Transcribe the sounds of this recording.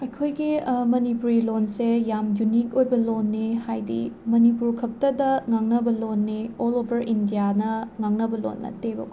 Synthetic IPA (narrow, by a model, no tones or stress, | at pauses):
ɐjkʰojɡimɐnipuɾilonsejamjunik̚ojbɐlonːehajdḭmɐnipuɾkʰɐp̚tɐdɐŋaŋnɐbɐlonːeɔlobʱɐɾindijanɐŋaŋnɐbɐlo̰nːɐ̰tebɐ̰k